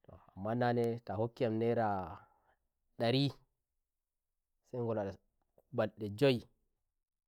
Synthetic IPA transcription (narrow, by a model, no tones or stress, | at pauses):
tɔ̰amːananɛtahokːiamnɛɾa | ɗaɾi | sajŋɡɔlaɗa | ubalɗɛd͡ʒoj